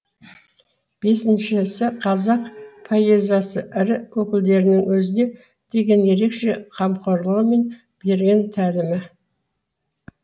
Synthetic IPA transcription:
b̥e̞sɪnʃɪsɪqʰɑzɑqpʰojezɑsəʔɪɾɪwɵkʲɪld̪e̞ɾɪnɪŋwɵzɪne̞ | d̪̥e̞ɡʲe̞nje̞ɾe̞kʃe̞qʰɑmqʰoɾlˠəʁəme̞n | b̥e̞ɾɡʲent̪ʰælɪmɪ

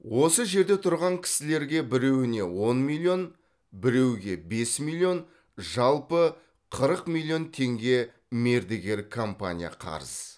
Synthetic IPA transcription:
wo̞səʒe̞ɾd̪e̞t̪ʰʊɾʁɑŋkʲʰɪ̥sɪle̞ɾɡʲe̞bɪɾe̞wɪne̞wo̞nmilʲˠio̞n | bɪɾe̞wɡʲe̞be̞smilʲˠio̞n | ʒɑlˠpə | qʰəɾəqmʲilʲˠːijo̞nt̪ʰe̞ŋɡʲe̞ | me̞ɾd̪eɡʲe̞ɾkʰo̞mpa̰nʲija̰qʰɑ̰ɾəz̥

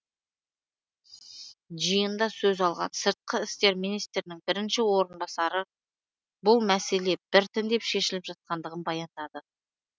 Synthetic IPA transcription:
ʒijənd̪ɑsɵzɑlˠʁɑ̰nsəɾt̪̚qəɪst̪e̞ɾminijst̪ɾɪnɪŋbɪɾɪnʃɪwo̞ɾənbɑsɑɾə | bʊlˠmæse̞le̞b̥ɪɾt̪ʰɪnd̪e̞pʃe̞ʃɪlɪpʒ̥ɑt̪̚qɑnd̪əʁənbɑjɑnd̪ɑd̪ə

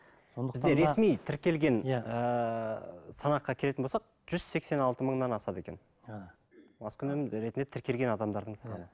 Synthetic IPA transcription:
sond̪əɪzeɾe̞smijt̪ʰɪɾkʲe̞lɡʲe̞nə | sɑnɑqːɑkʲʰe̞le̞t̪ɪnbolsɑq̚ | ʒ̥ʏz̥se̞kse̞nɑlˠt̪əməɴnɑnɑsɑt̪e̞kʲe̞n | mɑskʲʰʏnmɾe̞t̪nd̪et̪ʰɪɾkʲe̞lɡʲenɑd̪ɑmd̪ɑɾd̪əɴə̥sqɑnə

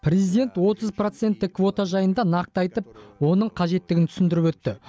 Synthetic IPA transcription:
pʰrʲe̞zijd̪ʲe̞nt̪wo̞t̪əzpro̞t̪se̞nt̪ːɪkkʰːvo̞t̪aʒɑjənd̪ɑnɑq̚t̪ɑjt̪əp̚wo̞nəɴqʰɑʒe̞t̪ːɪɡʲɪnt̪ʰʏ̥sɪnd̪ɪɾɪpwɵt̪ːɪ

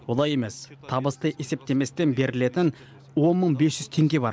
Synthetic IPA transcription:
wolˠɑje̞me̞st̪ʰɑbəst̪əʔese̞p̚t̪e̞me̞st̪e̞nbe̞ɾɪle̞t̪ɪn | wo̞nməɴbe̞sʒʏz̥t̪ʰe̞ŋɡʲe̞bɑ̰ɾ

